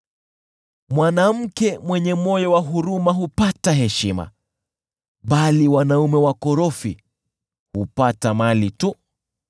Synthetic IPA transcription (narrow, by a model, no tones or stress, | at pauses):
mwanam̩kɛmwɛɲɛmɔjɔwaɦuɾumaɦupataɦɛʃima̰ | ɓaliwanaumɛwakɔɾɔfi | hupatamalitu